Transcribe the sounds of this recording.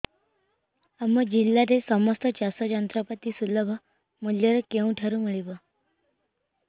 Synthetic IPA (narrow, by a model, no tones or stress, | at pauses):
əməd͡ʑilːaɾesɔmɔst̪ət͡ɕasəd͡ʒənt̪ɾəpət̪isuləbʱə | muljəɾəkeũʈʰəɾũmiɭibə